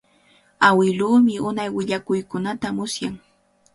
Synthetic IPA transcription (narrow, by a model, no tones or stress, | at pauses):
awɪluːmɪʊnajwɪʎakʊjkʊnat̪amʊsjaŋ